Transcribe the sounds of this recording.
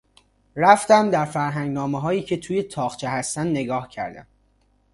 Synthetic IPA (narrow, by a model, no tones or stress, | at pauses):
ræft̪æmd̪æɾfæɾɦæŋɡnɒːmeɦɒːjiːcʰe̞t̪ʰuːje̞t̪ʰɒːχt͡ʃʰehæst̪ænd̪ne̞ɡɒːhcʰæ̰ɾd̪æ̰m